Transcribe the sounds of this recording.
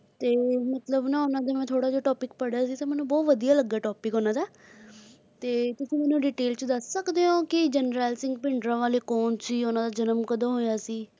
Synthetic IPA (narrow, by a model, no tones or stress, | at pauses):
t̪eːmət̪ləbnãːonãːd̪aːmɛ̃ːt̪ʰoːɽaːd͡ʒoːʈɔːpɪkpəɽjaːs̬iːt̪ẽːmɛːnũːbɔːt̪ʋəd̪ijaːləɡːaːʈɔːpɪkɦoːnãːd̪aː | t̪eːt̪ʊsĩːmɛːnũːɖiːʈeːlt͡ʃəd̪əsːəkd̪eːõːkɪd͡ʒənɾɛːlsɪ̃ŋɡ̚pɪɳɖɾãːʋaːleːkɔːnt͡ʃiːonãːd̪aːd͡ʒənəmkəd̪ãːɦoːjaːsiː